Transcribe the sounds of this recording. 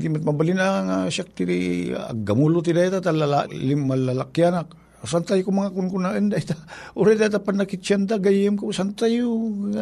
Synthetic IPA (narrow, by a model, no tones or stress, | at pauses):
d̪imat̪̚mabalinaŋasak̚t̪iɾḭa̰ɡamulut̪̬idajt̪at̪alala̰limːalalakjanak̚ | sant̪ajkumaŋakunkunaənd̪ait̪aoɾat̪at̪apanːakit͡ʃant̪̬aɡajəmkosant̪ajua